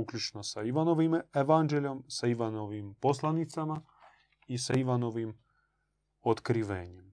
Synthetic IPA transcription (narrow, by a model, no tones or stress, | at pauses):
ukʎʲut͡ʃnosaiʋanoʋimeʋand͡ʒeʎʲo̞msaiʋanoʋimposlˠanit̪sama | isaiʋanoʋim | ot̪kɾiʋeːɲem